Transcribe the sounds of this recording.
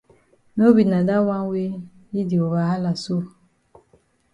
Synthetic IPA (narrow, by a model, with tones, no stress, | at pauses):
no˦bi˨na˨da˦wa˦we˦ | i˦di˨o˨βa˨ɦa˦la˨so˦˨